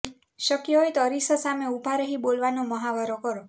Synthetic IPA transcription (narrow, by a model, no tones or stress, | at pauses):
ʃəkjəɦojt̪ɔɾisəsameubʱaɾəɦibolʋanoməɦaʋəɾokɔɾo